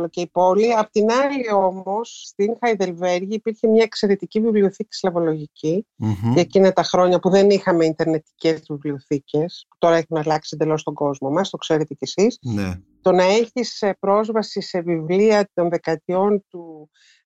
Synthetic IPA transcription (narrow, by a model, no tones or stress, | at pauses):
loceipo̞liɐpot̪inɐlio̞mo̞sːt̪iŋxɐiðe̞lve̞ɾʝiːpiɾçe̞mɲɐekse̞ɾe̞t̪icivivlio̞θici̥slɐvo̞lo̞ʝicicːcinet̪ɐxɾo̞ɲɐpuðe̞nixɐme̞int̪e̞ɾne̞t̪i̥ce̞zvivlio̞θice̞spu̥t̪o̞ɾɐeçinɐlɐksind̪e̞lo̞st̪o̞ɡo̞zmo̞mɐst̪o̞kse̞ɾe̞t̪e̞cesisne | t̪o̞nɐeçispɾo̞zvɐsise̞vivliɐt̪o̞nðe̞kɐt̪io̞nt̪u